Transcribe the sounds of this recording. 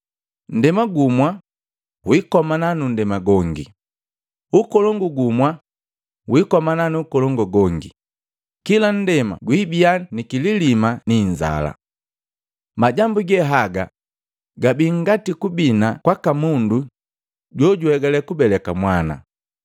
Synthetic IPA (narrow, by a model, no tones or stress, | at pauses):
n̩dɛmaɡumwa | wikɔmananundɛmaɡɔŋɡi | ukɔlɔŋɡuɡumwa | wikɔmananuːkɔlɔŋɡɔɡɔŋɡḭ | kilan̩dɛma̰ɡwibianikililimaniɲd͡ʒa̰la̰ | maɟambuɡɛɦaɡa̰ | ɡabiŋɡatikubinakwakamundu | ɟwɔɟuhɛɡalɛkubɛlɛkamwana̰